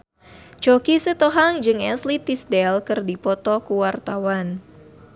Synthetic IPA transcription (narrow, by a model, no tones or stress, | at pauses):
t͡ʃokisət̪oɦaŋd͡ʒɨŋɛnslit̪isdɛlkɨrdipɔt̪ɔkuwart̪awan